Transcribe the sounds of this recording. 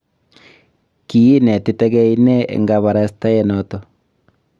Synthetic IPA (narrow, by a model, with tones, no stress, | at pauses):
ki˨i˦ne˨ti˦tɛ˦ɣɛ˦i˦nɛ˦ḛ˨ŋɡa˨βa˨ɾa˦sta˦je˦no˨to˨